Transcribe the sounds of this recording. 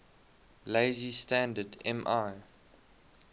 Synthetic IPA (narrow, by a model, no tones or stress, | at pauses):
leɪzistæ̃ndədɛ̃mʔaɪ